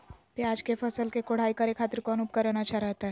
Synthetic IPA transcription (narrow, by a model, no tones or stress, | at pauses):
pjaːd͡ʒkefɐsəlkekoɽ̤aːikɐɾekʰaːt̪ɾkɔːnup̚kəɾənat͡ʃʰaɾɛɦt̪aɦɛ